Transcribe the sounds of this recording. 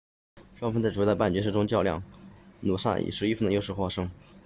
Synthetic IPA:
ʂwɑ˥ŋfɑ˥ŋt͡sa˥˩ɪʈ͡ʂd̪ə˧pa˥˩nt͡ɕɥɛ˥ʂ̩˥˩ʈ͡ʂʊ˥ŋt͡ɕjɑ˥˧ʊljɑ̰˥˩ŋnu˨˩ʂa̰˥˩ḭ˨˩ʂɻ̩˧˥i˥fə˥˧nd̪ə˩jo˥˧ʊʂɻ̩˥˩xwɔ˥˩ʂɤ˥ŋ

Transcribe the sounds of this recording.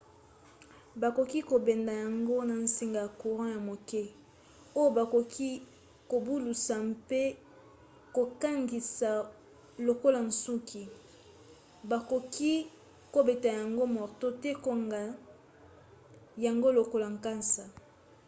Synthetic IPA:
ba˨ko˨ki˦ko˨be˨nda˨ja˨ŋɡo˦na˨n̩˨si˨ŋɡa˨ja˨ku˨ʁã˦ja˨mo˨kɛ˦ | o˦jo˦ba˨ko˨kʰi˦ | ko˨bu˦lu˨sa˨mpe˦ | ko˨ka˦ŋɡi˨sa˨ | lo˨ko˦la˨n˨su˦kʰi˨ | ba˨ko˨ki˦ | ko˦be˨ta˨ja˨ŋɡo˦mɔ˨ʁto˦tɛ˦ko˨ŋɡa˨ | ja˨ŋɡo˦lo˨ko˦la˨ŋka˦nsa˨

